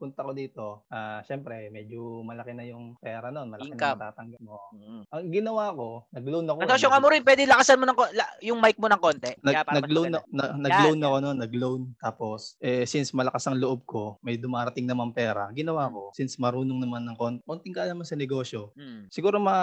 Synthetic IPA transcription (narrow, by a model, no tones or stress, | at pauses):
pʊnt̪ɐko̞d̪iːt̪o̞ʔaʃɛːmpɾɛmɛd͡ʒomɐlɐkɛnɐjʊŋpɛːɾɐno̞nmɐlɐknt̪aːt̪ɐŋɡɐp̚moʔɐŋɡɪnɐwaːko̞nɐɡlownɐkoɐsoʃjoŋɐmoɾɪnpwɛːd̪ɪlɐkɐsanmonɐŋkolɐjʊŋmajk̚monɐŋko̞nt̪ɛnɐnɐɡɡlwnɐnɐnɐɡlownɐkononːɐɡlownt̪aːpo̞sʔɛsinsmɐlɐkasɐŋloʔb̚ko̞mɐjd̪ʊmaːɾɐt̪ɪŋnɐmanpɛːɾɐ̰ɡɪnɐwaːko̞sinsmɐɾuːnoŋnɐmanːɐŋko̞ːnt̪ɛkont̪ɪŋkɐʔɐnɐmansɐnɛɡo̞ːʃjo̞sɪɡuːɾomɐ